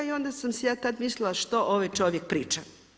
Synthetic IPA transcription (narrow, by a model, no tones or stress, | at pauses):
io̞nd̪asamsejaːt̪ad̪mislɪlˠaʃt̪oʔoʋajt͡ʃoʋjek̚pɾiːt͡ʃa